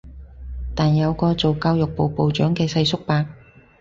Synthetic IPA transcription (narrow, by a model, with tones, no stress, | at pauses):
t̪aː˨njɐ˨˧wkɔː˧t͡so˨wkaː˧wjʊ˨k̚po˨wpo˨wt͡ʃœː˨˥ŋkɛː˧sɐ˧jsʊ˥k̚paː˧k̚